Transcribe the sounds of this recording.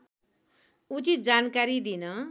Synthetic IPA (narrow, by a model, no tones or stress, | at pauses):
ut͡sit̪̚d͡zankaɾid̪inʌ